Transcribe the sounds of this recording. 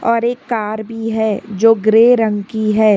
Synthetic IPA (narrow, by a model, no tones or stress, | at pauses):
ɔːɾeːkːaːɾbʱiɦɛːd͡ʒoːɡɾeːɾə̃ŋɡkiɦɛː